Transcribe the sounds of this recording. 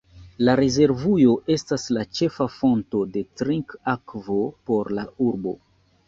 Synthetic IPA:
laɾeze̞ɾvujo̞ʔe̞staslat͡ʃe̞fafo̞nto̞de̞tɾiŋkakvo̞po̞ɾlauɾbo̞̰

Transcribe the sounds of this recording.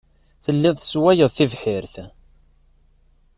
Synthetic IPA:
θəlːɪðˤθəswæjəðˤθivħɪɾθ

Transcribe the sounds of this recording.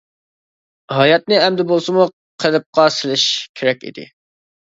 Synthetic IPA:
ɦɑjɑt̪̚nɨɪɛmd̪ɪbolˠsɨmu | qʰəlɪp̚qɑsɪlɪʃkʲʰeɾɛkʲḭd̪ɪ̰

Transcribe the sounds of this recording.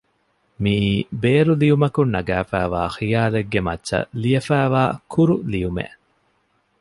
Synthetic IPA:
miːbeːɾulijumɐkunːɐɡæːfæːʋa̰ːxijaːleɡːemɐtːʃɐ̰lijɐfæːʋaːkʰuɾulijumḛ

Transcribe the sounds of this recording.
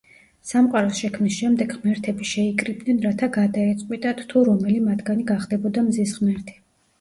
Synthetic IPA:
samqʼaɾɔsʃɛkʰmnisʃɛmd̪ɛɡʁmɛɾt̪ʰɛbiʃɛikʼɾib̪̚nɛnɾat̪ʰaɡad̪aɛt̪sʼqʼwit̪ʼat̪ʰt̪ʰuɾɔmɛlimat̪ʰɡaniɡaχd̪ɛbɔd̪amzisʁmɛɾt̪ʰi̥

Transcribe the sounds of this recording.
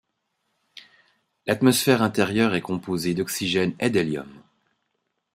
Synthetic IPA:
lat̪mɔsfɛʁɛ̃t̪ɛʁjœʁɛkɔ̃pozed̪ɔksiʒɛnɛd̪ɛljɔ̰m

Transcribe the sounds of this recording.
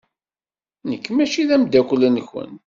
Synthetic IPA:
nəkːmæʃiðæmd̪ːækʷlænçə̰n

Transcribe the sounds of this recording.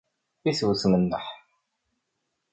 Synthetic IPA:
iswsmənːəħ

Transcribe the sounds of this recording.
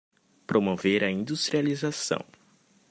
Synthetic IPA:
pɾomoveɾɐĩnd̪ust̪ɾializasɐ̰̃w̃

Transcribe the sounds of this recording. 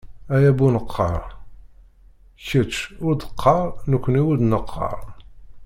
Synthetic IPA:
æjæbunəqʰːɑ̰ɾˤ | çət͡ʃːʊɾd̪əqʰːɑɾˤnəkʷːəniwud̪nəqʰːɑ̰ɾˤ

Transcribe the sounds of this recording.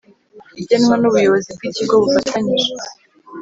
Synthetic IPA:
iɟenmwanuβujo̞βo̞zib̚ɡiciɡo̞βufatʰaɲiʒe

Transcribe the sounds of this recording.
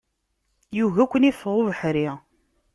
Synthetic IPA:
juɣækʷːənifʁˤuvəħɾi

